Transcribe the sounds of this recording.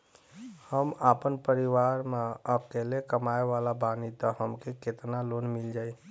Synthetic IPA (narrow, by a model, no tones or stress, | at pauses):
həmaːpənpəɾiwaːɾmeəb̚kelekəmaːeʋalabaːnit̪ɔɦəmkeket̪naloːnmɪld͡ʒaːi